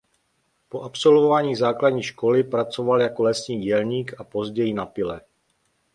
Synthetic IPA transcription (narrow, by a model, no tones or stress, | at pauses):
po̞ʔapso̞lvovaːɲiːzaːkladɲiːʃko̞lɪpɾat͡so̞valjako̞lɛsɲiːɟɛlɲiːkapo̞zɟɛjɪnapɪlɛ